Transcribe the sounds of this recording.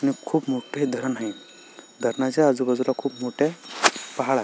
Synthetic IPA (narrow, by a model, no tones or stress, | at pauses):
añikʰuːpmoʈʰed̪ʱəɾənaɦi | d̪ʱəɾnat͡ɕaad͡zuːbəd͡zlakʰuːpmoʈepəɦaɭa